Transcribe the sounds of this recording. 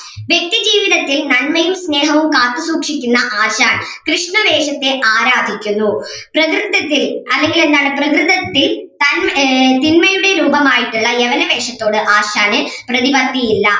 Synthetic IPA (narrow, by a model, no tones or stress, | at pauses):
ʋjek̚t̪id͡ʑiːʋiðɐt̪ːilnɐnmɐjumsne̞ːɦɐʋumkaːt̪ːusuːkʂikʲːunːɐʔaːɕaːɳkrɨʂɳɐʋe̞ːʂɐt̪ːe̞ʔaːɾaːd̪ʱikʲːunːu | prɐkrɨt̪ːɐt̪ːilɐlːe̞ŋɡile̞nːaːɳɨprɐkrɨðɐt̪ːilt̪ɐnmt̪inmɐjuɽe̞ɾuːbɐmaːjiʈːuɭːɐeʋɐnɐʋe̞ːʂɐt̪ːo̞ːɽɨʔaːɕaːnɨprɐðibɐt̪ːijilːɐ